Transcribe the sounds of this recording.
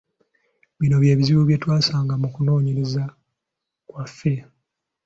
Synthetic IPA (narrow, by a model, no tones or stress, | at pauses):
βino̞βje̞ːβiziβuβje̞twaːsaːŋɡamukuno̞ːɲeɾeza | kwafːe̞